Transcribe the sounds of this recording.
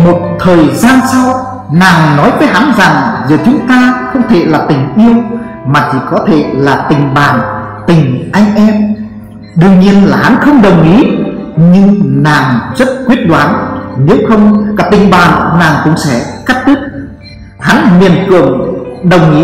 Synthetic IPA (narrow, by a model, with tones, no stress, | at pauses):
mo˨˩t̚t̪ʰəː˨˩jzaː˧nsa˧w | naː˨˩ŋnɔ˨˦jvəː˨˦jɦa˨˦nza˨˩ŋzəː˨˩t͡ɕʊ˨˦ŋ͡mt̪aː˧xə˧wŋ͡mt̪ʰḛ˧˩laː˨˩t̪ï˨˩ŋ̟ʔi˧əw | maː˨˩t͡ɕʰi˧˩kɔ˨˦t̪ʰḛ˧˩˨laː˨˩t̪ï˨˩ŋ̟ɓaː˨˩nt̪ï˨˩ŋ̟ʔa˧jŋ̟ʔɛ˧m | ɗɨ˧əŋɲi˧ənlaː˨˩ɦa˨˦nxə˧wŋ͡mɗə˨˩wŋ͡mʔi˨˦ɲɨ˧ŋnaː˨˩ŋzə˦˥t̚kwi˦˥ət̚ɗwaː˨˦nne˨˦wxə˧wŋ͡mkaː˨˧˩t̪ï˨˩ŋ̟ɓaː˨˩nːaː˨˩ŋkʊ̰˧˥wŋ͡msɛ̰˧˥˩ka˦˥k̚t̪ʰɨ˦˥k̚ | ha˨˦nmi˨˩ənkɨ˨˩əŋɗə˨˩wŋ͡mʔi˨˦